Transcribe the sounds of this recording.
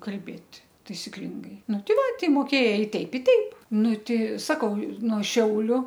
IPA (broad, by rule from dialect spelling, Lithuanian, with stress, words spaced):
kɐlʲˈbʲeːtʲ tɐɪsʲɪˈklʲɪŋɡɐɪ ˈnʊ ˈtʲɪ ˈʋɐ tʲɛɪ moːˈkʲeːjɛɪ ˈtʲɛɪp ɪ ˈtʲɛɪp ˈnʊ ˈtʲɛɪ ˈsɑːkɐʊ noː ˈʃʲɛʊlʲʊ